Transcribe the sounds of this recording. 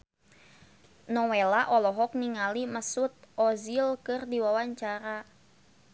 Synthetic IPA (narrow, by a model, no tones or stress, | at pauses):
nɔwelaʔɔlɔɦɔk̚niŋaliməsut̪̚ɔzilkɨrdiwawaɲt͡ʃaɾa